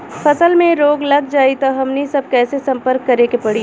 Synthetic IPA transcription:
fʰɐsəlmẽɾoːɡlɐɡ̚d͡ʒaːit̪oɦɐmnisɐb̚kɛːsesɐ̃mpəɾkːɐɾeːkepɐɽi

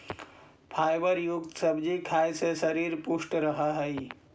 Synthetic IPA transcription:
pʰajbəɾjuɡt̪səbd͡ʒikʰajsẽsəɾiɾpusʈɾəɦəɦəi

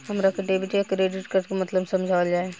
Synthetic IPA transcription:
ɦɐmɾakɐʈeːbiʈiakɾeːɖɪʈkəɾt̪komɐt̪ləbsɐmd͡ʒʱaːʋəld͡ʒaːe

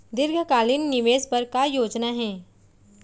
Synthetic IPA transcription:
d̪ɪɾɡʱəkaːlɪnːɪʋeːzpɐɾkajoːd͡ʒnaɦɛ̃ː

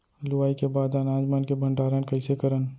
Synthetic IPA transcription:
lʊwaːikebaːd̪anaːd͡ʒmankebʱə̃ɳɖaːɾənkɐɪsekəɾən

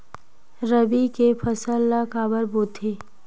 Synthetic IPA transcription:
ɾəbikepʰəsəlːakaːbəɾboːt̪ʰe

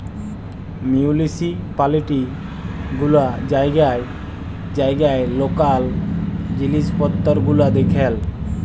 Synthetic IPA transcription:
miulisipaliʈi | ɡulad͡ʑajɡaj | d͡ʑajɡajlokald͡ʑilispɔt̪ːɔɾɡulad̪ekʰel

